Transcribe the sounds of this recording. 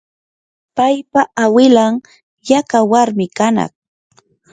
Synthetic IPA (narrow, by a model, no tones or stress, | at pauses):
pajpaʔawɪlaŋ | jakawaɾmɪkanɑ̰χ